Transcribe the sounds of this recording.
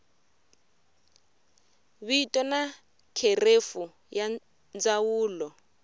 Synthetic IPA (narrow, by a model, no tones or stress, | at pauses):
βiitʼɔna | kʰerefu | ja | nd͡zawuːlɔ